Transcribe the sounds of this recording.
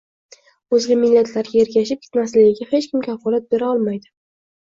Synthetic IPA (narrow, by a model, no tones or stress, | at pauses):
ɵzɡʲamɪlːat̪ʰlaɾɡʲae̞ɾɡʲaʃɪp̚kʰʲɪ̥t̪maslɪɡʲɪɡʲahe̞t͡ʃkʲɪmkʲʰafɒlat̪̚be̞ɾaɒlˠmajd̪ɪ